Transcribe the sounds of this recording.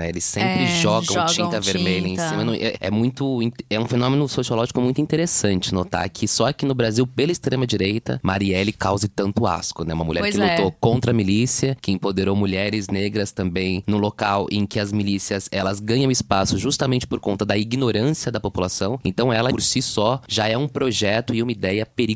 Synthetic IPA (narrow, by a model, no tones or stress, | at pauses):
ɛelɪsːẽmpɾɪʒɔɡɐ̃t͡ʃĩt̪ɐveɾmeʎɐ̃ẽsĩmɐ̃nɐ̃ʔɛ̰ɛ̰mũj̃t̪ʊĩɛũfenõmenʊsosiolɔʒikʊmũj̃t̪ʊĩt̪eɾesɐ̃nt͡ʃɪnot̪a̰ɾkʰɪsɔkɪnʊbɾaziwpelɐist̪ɾẽmɐd͡ʒiɾejt̪ɐ̰maɾiɛlɪkawzɪt̪ɐ̃nt̪ʊa̰skʊnɛ̰ũmɐmuʎɛɾɾkɪlut̪okõnt̪ɾɐmilisiɐkɪẽpod̪eɾowmuʎɛɾɪzneɡɾɐst̪ɐ̃mbẽj̃nũlokawʔẽkɪɐzmilisiɐzɛlɐzɡɐ̃ɲɐ̃w̃ɪspasʊʒust̪ɐmẽnt͡ʃɪ̥poɾkõnt̪ɐd̪ɐiɡinoɾɐ̃siɐd̪ɐpopulasɐ̃w̃ẽnt̪ɐ̃w̃ɛlɐpoɾsisɔʒaɛũpɾoʒɛt̪ʊɪũmɐid̪ɛjɐpeɾi